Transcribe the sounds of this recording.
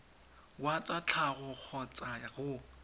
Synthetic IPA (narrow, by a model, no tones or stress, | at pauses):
wat͡sʼat͡ɬʰaɣʊk͡xʰɔt͡sʼaɣʊ